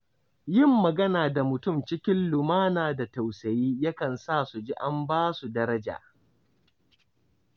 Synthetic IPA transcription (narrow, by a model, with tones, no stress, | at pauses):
jɪ˦mːɐ˨ɡɐ˦naː˨da˨mʊ˨tʊ˦mt͡ʃɪ˦kʲɪ˦nlʊ˨maː˦naː˨da˨ta˨wsɐ˨jiː˦ja˦kɐ˨nsaː˦˨su˨d͡ʒi˦ʔa˦mbaː˦su˨dɐ˦ɾɐ˦d͡ʒa̰ː˨